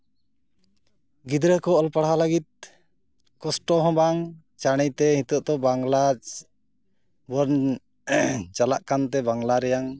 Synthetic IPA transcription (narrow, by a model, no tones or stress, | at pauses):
ɡid̪ɾəkɔːlpaɽɦaləɡit̪̚ | kɔsʈɔɦɔ̃baŋ | t͡ʃaɽ̃ɛjt̪ɛhĩt̪ɔʔt̪ɔbaŋlad͡ʒ | bɔɾn | t͡ʃalaʔkant̪ɛbaŋlaɾɛjaŋ